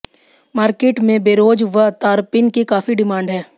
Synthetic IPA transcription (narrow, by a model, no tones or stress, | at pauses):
maːɾkeːʈmẽbeːɾoːd͡ʒʋət̪aːɾpɪnkekaːfiɖɪmãːɳɖɦɛː